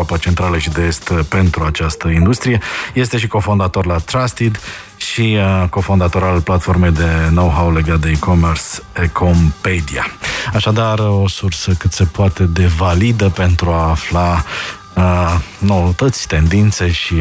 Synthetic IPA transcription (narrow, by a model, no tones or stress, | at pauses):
apat͡ʃe̞nt̪ɾaləʃid̪eest̪pe̞nt̪ɾuat͡ʃast̪əind̪ust̪ɾijeje̞st̪e̞ʃ̬iko̞fo̞nd̪at̪o̞rlat̪ɾast̪id̪ | ʃiko̞fo̞nd̪at̪o̞ɾalplat̪fo̞rme̞jd̪e̞no̞wɦawle̞ɡat̪̚d̪eikomersekʰompe̞d̪ia̰aʃad̪aro̞sursəkɨt̪se̞poat̪e̞d̪e̞valid̪əpe̞nt̪ɾuaːfla | ənoət̪ət̪sʲt̪e̞nd̪int̪se̞ʃi